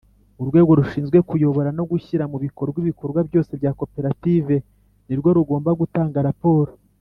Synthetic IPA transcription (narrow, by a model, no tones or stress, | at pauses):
uɾɡwe̞ːɡo̞ɾuʃiːnzɡwe̞kujo̞βo̞ɾano̞ɡuçiɾamuβiko̞ɾɡwiβiko̞ɾɡwabjo̞ːse̞bjaːko̞pe̞ɾative̞ | niɾɡo̞ɾuɡo̞ːmbaɡutaːŋɡaɾapo̞ːɾo